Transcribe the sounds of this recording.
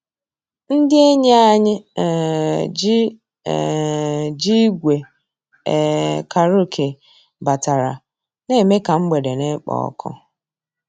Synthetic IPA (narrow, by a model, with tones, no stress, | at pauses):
n̩˦dɪ˦e˦ɲe˦a˦ɲɪ˦˨ | d͡ʒ | d͡ʒi˦ɡʷe˨ | kʰa˨ɾu˦kʰe˨ | ba˨ta˨ɾa̰˨ | ne˦˨me˦ka˨ŋ͡m̩˦ɡ͡be˨de˨ne˦k͡pɔ̰˨ɔ̰˦kʰɔ̰˦